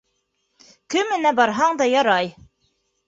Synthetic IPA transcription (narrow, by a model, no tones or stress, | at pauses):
kɘmɘ̆næbɑɾɦɑɴd̪ɑjɑɾɑj